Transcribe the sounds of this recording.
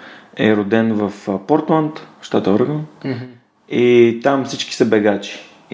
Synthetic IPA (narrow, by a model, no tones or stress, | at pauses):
ɛɾʊd̪ɛnvəfpɔɾt̪lant̪ʃt̪at̪əɔɾɡən | it̪amfsit͡ʃki̥səbɛɡat͡ʃi̥